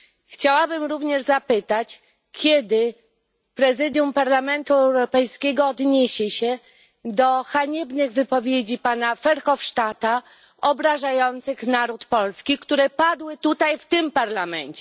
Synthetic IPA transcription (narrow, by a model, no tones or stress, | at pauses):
xt͡ɕawabɘmɾuvɲɛʐzapɘt̪at͡ɕ | kʲɛd̪ɘ | pɾɛzɘd̪ʲjumpaɾlamɛnt̪uɛwɾɔpɛjskʲɛɡɔːd̪ɲeɕɛɕɛ | d̪ɔxaɲɛbnɘɣvɘpɔvʲjed͡ʑipanafɛɾxɔfʂt̪at̪a | ɔbɾaʐajɔnt̪sɘxnaɾut̪pɔlskʲikt̪uɾɛpad̪wɘt̪ut̪ajft̪ɘmpaɾlamɛnt͡ɕɛ